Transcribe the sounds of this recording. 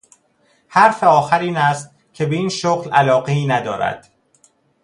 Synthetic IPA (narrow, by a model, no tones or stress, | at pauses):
hæɾfeɒːxæɾiːnæst̪̚ | cʰe̞beiːnʃoɣlælɒːɣeiːnæd̪ɒːɾæ̰d̪̥